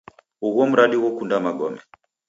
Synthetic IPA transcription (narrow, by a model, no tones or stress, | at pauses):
uɣɔm̩ɾaɗiwɔkundamaɡɔmɛ